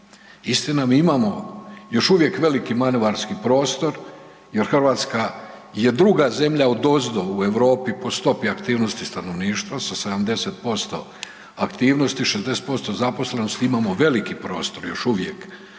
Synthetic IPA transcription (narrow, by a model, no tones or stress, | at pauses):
ist̪inamiimamo̞jo̞ʃuʋje̞kʋe̞likimanoʋaɾskipɾo̞ːst̪o̞ɾ | je̞ɾxrʋaːt̪skaje̞d̪ɾuɡaze̞mʎaod̪o̞zd̪oue̞ʋɾo̞ːpipo̞st̪o̞piakt̪iːʋno̞st̪ist̪ano̞ʋniːʃt̪ʋasase̞d̪amd̪e̞set̪̚po̞st̪o̞̰ | akt̪iːʋnost̪iʃezd̪ese̥t̪̚po̞st̪o̞zapo̞sle̞nost̪iimamo̞ʋe̞likipɾo̞ːst̪o̞ɾjo̞ʃuʋjḛk